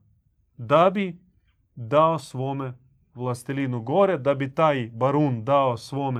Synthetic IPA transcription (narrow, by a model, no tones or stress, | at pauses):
d̪abi | d̪aosʋome | ʋlˠast̪ilinuɡoɾɛd̪abit̪aːjbaɾund̪aosʋome